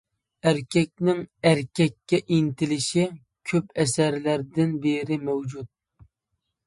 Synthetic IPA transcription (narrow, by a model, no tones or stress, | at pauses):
æɾkʲʰɛkʲnɪŋæɾkʲʰɛkʲːɛʔint̪ʰɪlɪʃi | kʲʰøpɛsæɾlæɾd̪ɪnbeɾɪmæwd͡ʒud̪̚